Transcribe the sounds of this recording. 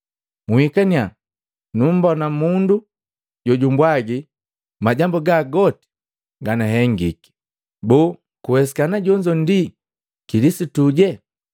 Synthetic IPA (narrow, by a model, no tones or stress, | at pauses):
muhikania | num̩bɔnamundu | ɟɔɟumbwaɡi | maɟambuɡaɡɔti̥ | ɡanaɦɛŋɡḭki̥ | bɔː | kuwɛs̬i̥kanaɟɔɲd͡ʒɔndi | kilisituɟɛ